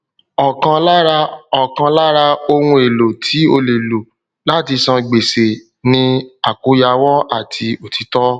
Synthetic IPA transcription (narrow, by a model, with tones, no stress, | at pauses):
ɔ˨kã˧la˦ɾa˧ɔ˨kã˧la˦ɾa˧o˧wũ˧˦e˨lo˨tʰi˨˦o˧le˨lo˨ | la˦ti˧sɔ̃˧ɡ͡be˨se˨ | nĩ˧a˨ku˨˦ja˧wɔ˦a˦˨tʰi˧o˨ti˨˦tɔ˦